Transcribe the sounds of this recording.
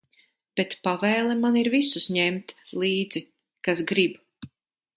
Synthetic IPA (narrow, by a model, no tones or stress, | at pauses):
b̥ɛt̪pavɛːlˠɛmaniɾvisusɲɛmt̪lˠiːd̪z̥i | kasɡɾib